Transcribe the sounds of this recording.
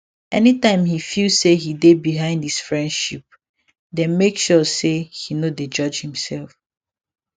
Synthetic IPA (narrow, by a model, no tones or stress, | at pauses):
ʔɛnitãɪ̃mhifilsehidebiɦãɪ̃ndhisfɹɛ̃ndʃip̚ | dɛ̃nmekʃɔsehinoded͡ʒʌd͡ʒhĩmsɛlˠf